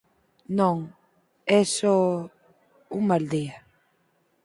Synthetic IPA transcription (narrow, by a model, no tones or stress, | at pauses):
nõŋ | ɛsɔ | uŋmald̪ia